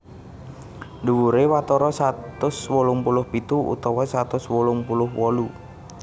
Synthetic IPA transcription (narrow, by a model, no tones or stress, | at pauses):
duwuɾewat̪ɔɾɔsat̪ʊswɔlʊŋpulʊhbit̪uṵt̪ɔwɔsat̪ʊswulʊŋpulʊhwɔlu